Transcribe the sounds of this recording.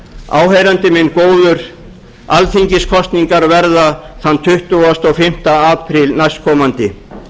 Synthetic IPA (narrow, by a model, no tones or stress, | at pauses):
a̰ːwɦejɾant̪ɪmɪnːkoːwðʏɾ̥ | alθiɲcɪskʰɔst̪niŋkaɾvɛɾðaθant̪ʰʏht̪ʏast̪ɔɣfɪm̥t̪aaːpʰɾɪlnajst̪kʰɔːmant̪ɪ